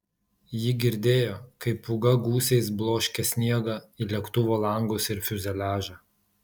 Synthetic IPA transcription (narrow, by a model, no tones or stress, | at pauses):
jɪɡʲɪɾʲd̪ʲeːjoːkɐɪpʊɡɐɡuːsʲɛɪs̬blˠoːʃʲkʲɛsʲnʲiɛɡɐilʲɛkt̪ʊʋoːlˠɐŋɡʊːsɪɾfʲʊzʲɛlʲæːʒɑ